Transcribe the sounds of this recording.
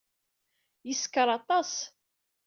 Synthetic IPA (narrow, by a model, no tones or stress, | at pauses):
jəskəɾˤɑt̪ˤɑs